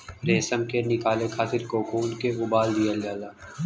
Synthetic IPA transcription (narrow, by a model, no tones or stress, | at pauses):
ɾeːsəmkenɪkaːlekʰaːt̪ɪɾkokuːnkeʊbaːld̪ijəljaːlaː